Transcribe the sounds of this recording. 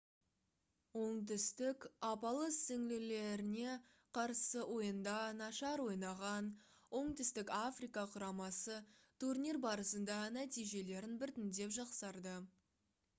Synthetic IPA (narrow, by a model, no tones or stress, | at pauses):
wo̞ɴt̪̬ɪst̪ɪkɑpɑlˠəsɪŋlɪle̞ɾɪne̞ | qʰɑɾsəwʔo̞jənd̪ɑnɑʃɑɾwo̞jnɑʁɑn | wo̞ɴt̪ɪst̪ɪkʲafrijkɑqʰʊɾɑmɑsət̪ʰurnʲirbɑɾəsənd̪ɑnæt̪ijʒe̞le̞ɾɪnbɪɾt̪ɪnd̪e̞pʒɑqsɑɾd̪ə